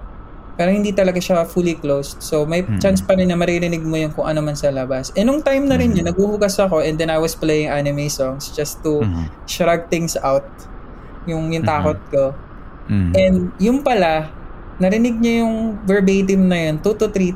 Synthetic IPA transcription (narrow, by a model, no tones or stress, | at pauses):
pɛːɾɐŋhɪnd̪iːt̪ɐlɐɡaʃɐfuliklowst̪somɐjt͡ʃanspɐnɛɲɐmɐɾiɾɪnɪɡ̚mojʊnkʊŋʔɐ̰nomɐnsɐlɐbasʔɛnoŋt̪ajmnɐɾɪnɲɐnɐɡ̚uhʊɡɐsɐko̞ʔɛnd̪ɛnajwɐsplejɪŋʔanɪmejsɔŋsd͡ʒɐst̪u | sɾaɡ̚t̪ɪ̃ŋsawt̪̚ | jʊŋjʊŋt̪aːkot̪̚ko | ʔɛnd̪jʊnpɐla | nɐɾɪnɪɡ̚ɲɐjʊŋvɛɹbejt̪̬ɪmnɐjo̞nt̪ut̪ʊt̪ɾi